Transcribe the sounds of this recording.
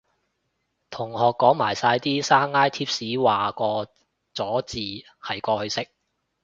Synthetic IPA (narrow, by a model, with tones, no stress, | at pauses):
t̪ʰʊ˨˩ŋhɔː˨kːɔː˨˥ŋmaː˨˩jsaː˧jt̪iː˥saː˥ŋːaː˥jt̪ʰiː˥p̚siː˨˥waː˨kɔː˧ | t͡sɔː˨˥t͡siː˨ | hɐ˨˩jkɔː˧hɵ˧ɥsɪ˥k̚